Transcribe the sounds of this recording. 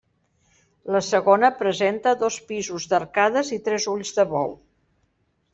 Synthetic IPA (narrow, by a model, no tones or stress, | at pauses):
ləsəɣonəpɾəzent̪əðospizuzðərkaðəzit̪ɾɛzuʎzðəβɔ̰w